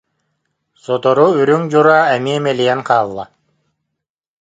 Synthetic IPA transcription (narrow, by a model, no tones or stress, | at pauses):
sɔt̪ɔɾuyɾyŋd͡ʒuɾaːæmiɛmelʲijɛŋqʰɑːlˠːɑ̰